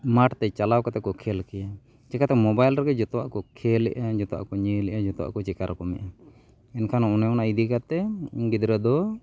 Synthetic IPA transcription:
maʈt̪ɛt͡ʃalawkat̪ɛkɔkʰɛlkɛja | t͡ʃɛkat̪ɛmɔbajlɾɛkɛd͡ʒɔt̪ɔwa̰ʔkɔkʰɛlɛ̰ʔad͡ʒɔt̪ɔwa̰ʔkɔɲəlɛʔad͡ʒɔt̪ɔwa̰ʔkɔt͡ʃɛkaɾkɔmɛ̰ʔa | ɛnkʰanaɔnɛɔnaid̪ikat̪ɛɡid̪ɾəd̪ɔ

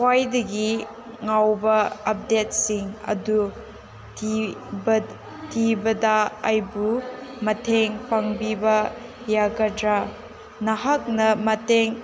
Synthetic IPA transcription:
wajdɐɡi | ŋawbɐɐp̚det̚siŋɐ̰du | ib | tʰibɐdɐːjbumɐtʰeŋpʰɐŋbibɐ | jaɡɐdɾa | nɐɦɐk̚nɐmɐteŋ

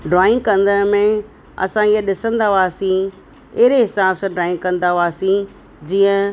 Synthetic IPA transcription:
ɖɾaːɪ̃ŋkɐ̃nd̪ənmẽ | ɐ̰sãiɦəɗɪsə̃nd̪aɦaːsĩ | ɪɦɪɾeɦɪsaːbsãɖɾaːɪ̃ŋkɐ̃nd̪aɦaːsĩ | d͡ʑiːə̃

